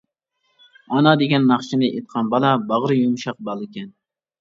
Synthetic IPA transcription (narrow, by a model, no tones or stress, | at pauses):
ɑnɑd̪eɡʲɛnːɑχʃinɨʔet̪̚qʰɑnbɑlˠɑbɑʁɾɨjumʃɑq̚bɑlˠɨkʲɛn